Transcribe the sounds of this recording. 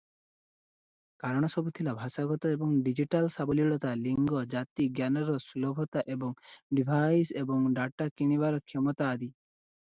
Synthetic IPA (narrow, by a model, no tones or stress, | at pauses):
kaɾɔɽ̃ɔsɔbut̪ʰilabʱaʃaɡɔt̪ɔebɔŋɖid͡ʑiʈalsabɔliɭɔt̪aliŋɡɔd͡ʒat̪iɡjanɔɾɔsulɔbʱɔt̪aʔebɔŋɖibʱajsebɔŋɖaʈːakiɽ̃iβaɾɔkʰjɔmɔt̪aːd̪i